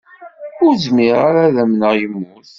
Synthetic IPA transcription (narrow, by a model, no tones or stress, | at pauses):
ʊɾzmiʁaɾæðæmnəʁjəmːʊθ